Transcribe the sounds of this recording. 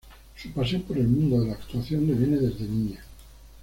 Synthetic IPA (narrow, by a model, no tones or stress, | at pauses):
supasjompo̞ɾelmũnd̪oðe̞laːkt̪uaθjo̞nd̪eβjene̞ðe̞zðeniɲa